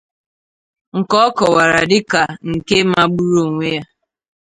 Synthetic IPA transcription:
ŋ̩˨kɔ˦kɔ˨wa˨ɾa˨dɪ˦ka˨ŋ̩˨ke˦ma˦ɡ͡bu˦ɾo˨ŋʷe˦a˦

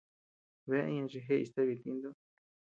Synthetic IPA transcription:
βe˧˦ĩ˦ɲã˧t͡ʃi˧ɦe˦˧i˧st̪e˦βi˧t̪i˧nd̪o˦

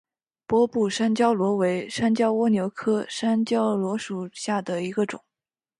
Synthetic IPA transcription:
pwɔ˥pu˥˩ʂa˥nt͡ɕjɑ˥ʊlwɔ˧˥we˧˥ɪʂa˥nt͡ɕjɑ˥ʊwɔ˥njo˧˥ʊkʰɤ˥ʂa˥nt͡ɕjɑ˥ʊlwɔ˧˥ʂu˨˩ɕja˥˩d̪ə˩i˧˥ɡə˧ʈ͡ʂʊ̰˨˩˦ŋ

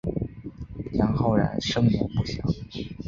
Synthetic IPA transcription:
ja˧˥nxo˥˩ʊɻa̰˧˥nʂɤ˥ŋmɛ˧˥ŋmu˥˩ɕjɑ̰˨˥˦ʊ

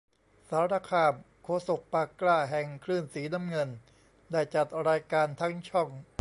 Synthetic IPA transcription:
saː˩˦ɾaː˧kʰaː˧˩m | kʰoː˧˩so˨˩k̚paː˧kːlaː˥˩ɦɛ˨˩ŋkʰɾɯː˥˩nsiː˩˦na˦˥mŋɤ˧n | daː˥˩jt͡ɕa˨˩t̪̚ɾaː˧jkaː˧nt̪ʰa˦˥ŋt͡ɕʰɔ˥˩ŋ

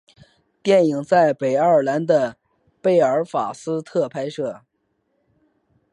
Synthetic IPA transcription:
t̪jɛ˥˩ni˨˩ŋt͡sa˥˩ɪpe˨˩ɪə˞˥˩la˧˥nd̪ə˧ | pe˥˩ɪə˞˧˥fa̰˨˩sɹ̩˥t̪ʰɤ˥˧pʰa˥ɪʂɤ˥˩

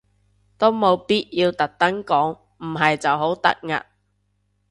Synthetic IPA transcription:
t̪o˥wmo˨˧wpiː˥t̚jiː˧wt̪ɐ˨k̚t̪ɐ˥ŋkɔː˨˥ŋ | m̩˨˩ɦɐ˨jt͡sɐ˨wɦo˨˥wt̪ɐ̰˥k̚ŋa̰ː˧˨

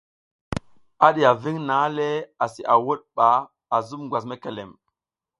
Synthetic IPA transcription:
a˦ɗi˨ja˨vi˦ŋna˨˦le˦a˨si˨ʔa˨wo˦ɗ̚ɓa˨ | a˨zu˦mɡwa˨s̬me˦ke˨le˨m

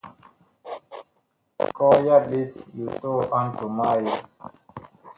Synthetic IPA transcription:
kɔ˦ja˦bi˦tju˨to˦˨ʔã˦ntu˨ma˦ja˨

